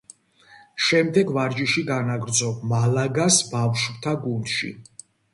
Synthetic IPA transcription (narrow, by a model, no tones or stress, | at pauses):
ʃɛmd̪ɛɡvaɾd͡ʒiʃiɡanaɡɾd̪zɔb̚malaɡasbafʃpt̪ʰaɡund̪̥ʃḭ